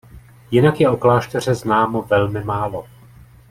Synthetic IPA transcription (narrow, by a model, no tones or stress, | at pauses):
jɪnakjɛo̞klaːʃt̪ɛr̝ɛznaːmo̞vɛlmɪmaːlo̞